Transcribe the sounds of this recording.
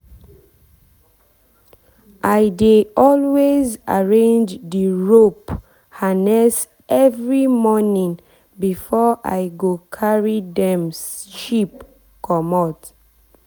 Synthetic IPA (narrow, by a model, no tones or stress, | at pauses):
ʔajdeɔlweza̰ɹẽnd͡ʒdiɹop | hanɛs | ʔɛvɹimɔnĩŋ | bifɔʔa̰jɡokʰaɹidɛ̃msʃip | kɔmɔt